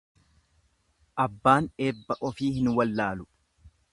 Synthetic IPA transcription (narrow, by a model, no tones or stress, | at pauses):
ʔɐbːaːneːbːɐʔɔfiːhɪnwɐlːaːlʊ